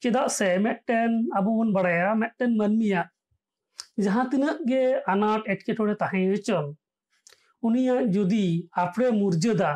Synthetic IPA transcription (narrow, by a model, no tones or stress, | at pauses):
t͡ʃɛd̪aʔsɛmɛt̪̚ʈɛnabɔbɔnbaɽajamɛt̪̚ˀʈɛnmənmijaʔ | d͡ʒaɦãt̪inəʔɡɛanaʈɛʈ̚kɛʈʰɔɽɛt̪aɦãjɾət͡ʃɔl | unijaʔd͡ʒɔd̪iapʰɽɛmuɾd͡ʒəd̪a